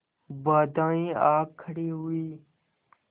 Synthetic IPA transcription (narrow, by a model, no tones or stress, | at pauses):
baːd̪ãːĩːaːkʰːəɽiːɦuiː